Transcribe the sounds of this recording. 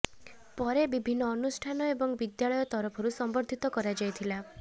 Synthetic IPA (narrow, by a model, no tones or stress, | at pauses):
pɔɾebibʱinːɔːnusʈʰanɔebɔŋbid̪jaɭɔjɔt̪ɔɾɔpʰɔɾusɔmbɔɾd̪ʱit̪ɔkɔɾad͡ʒajt̪ʰila